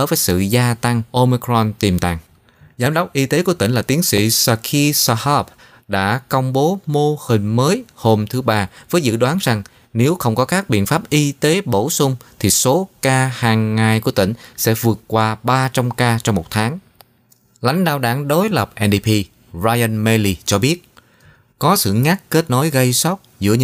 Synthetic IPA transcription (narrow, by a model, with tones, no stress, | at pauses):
vəː˨˦jsɨ̰˧˨zaː˧t̪a˧ŋʔo˧mi˧kɹɔ˧nt̪i˨˩mt̪a̰ː˧˨ŋ | zaː˨˦mɗə˦˥wk͡p̚ʔi˧t̪e˨˦ku˧˩ət̪ï˧˩ŋ̟laː˨˩t̪i˨˦əŋsḭ˧˨sa˧˩kʰi˧sa˧hɔ˦p̚ | ɗa̰ː˧˥kə˧wŋ͡mɓo˨˦mo˧hï˨˩ŋ̟məː˨˦jho˧mt̪ʰɨ˨˦ɓaː˧vəː˨˦jzɨ̰˧˨ɗwaː˨˦nza˨˩ŋ | ne˨˦wxə˧wŋ͡mkɔ˨˦kaː˦˥k̚ɓḭ˧˨ənfaː˦˥p̚ʔi˧t̪e˨˦ɓo˧˩sʊ˧ŋ͡mt̪ʰi˨˩so˨˦kaː˧haː˨˩ŋːa˨˩jku˧˩ət̪ḭ̈˧˩ŋ̟sɛ̰˧˥vɨ˨˩ət̚kwaː˧ɓaː˧t͡ɕa˧mkaː˧t͡ɕɔ˧wŋ͡mmo˨˩t̚t̪ʰaː˨˦ŋ | la˨˦jŋ̟ɗaː˧˨wɗaː˧˩˦ŋɗo˨˦jlə˨˩p̚ʔɛ˧nɗi˧pʰi˧ | zaː˧jʔə˧nmɛ˧li˧˩t͡ɕɔ˧ɓi˦˥ət̚ | kɔ˨˦sɨ̰˧˨ŋa˦˥k̚ke˦˥t̚no˨˦jɣə˧jsɔ˦˥wk͡p̚zɨ̰˧˥əɨ˧